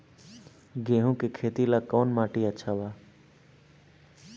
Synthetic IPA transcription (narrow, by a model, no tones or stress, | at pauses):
ɡeːɦũːkekʰeːt̪ilaːkoːnmaːʈiətːʃʰaːbaː